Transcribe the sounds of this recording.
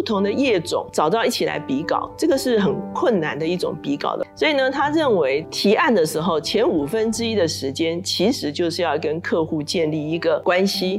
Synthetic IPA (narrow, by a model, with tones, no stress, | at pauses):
t̪ʰʊ˧˥ŋd̪ə˧jɛ˥˩ʈ͡ʂʊ̰˨˩˦ŋʈ͡ʂɑ˨˩ʊt̪ɑ˥˧ʊi˥˩t͡ɕʰi˨la̰˧˥ɪpi˧˥kɑ̰˨˩˦ʊʈ͡ʂɤ˥˩ɡə˩ʂɻ̩˥˩xə˨˩nkʰwə˥˩nna˧˥nd̪ə˧i˥˩ʈ͡ʂʊ̰˨˩ŋpi˧˥kɑ̰˨˩ʊd̪ə˦swɔ˧˥i˨˩nə˩t̪ʰa˥ɻə˥˩nwe˧˥ɪt̪ʰi˧˥ʔa˥˩nd̪ə˩ʂɻ̩˧˥xo˥˩ʊt͡ɕʰjɛ˧˥nu˨˩fə˦nʈ͡ʂɻ̩˥i˥d̪ə˨ʂɻ̩˧˥t͡ɕjɛ˥nt͡ɕʰi˧˥ʂɻ̩˧˥t͡ɕjo˥˧ʊʂɻ̩˥˧jɑ˥˧ʊkə˦nkʰɤ˥˧xu˥˧t͡ɕjɛ˥˧nli˥˩i˧˥ɡə˨kwa˦nɕi˧˥